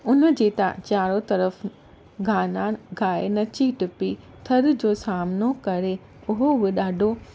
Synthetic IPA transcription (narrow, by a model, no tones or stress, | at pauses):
ʊnəd͡ʑeːt̪ã̰t͡ɕaːɾot̪ɐɾəf | ɡʱaːnaɡʱaːenɐt͡ɕiʈɪpi | t̪ʰɐɾd͡ʑoːsaːmnokɐɾe | ʊɦobɪɗaːɖʱo